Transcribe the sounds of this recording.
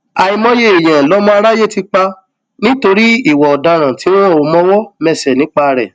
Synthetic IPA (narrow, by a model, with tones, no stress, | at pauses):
a˨i˧mɔ̃˦je˦e˨j̃ã˨lɔ˦mɔ̃˦a˧ɾa˦je˦˨ti˧k͡pa˧ | nĩ˦to˧ɾi˦i˦˨wɔ˨ɔ˨da˧ɾ̃ã˨ti˨˦w̃ɔ̃˦o˧mɔ̃˦wɔ˦mɛ˧sɛ˨nĩ˨˦k͡pa˦˧ɾɛ̰˨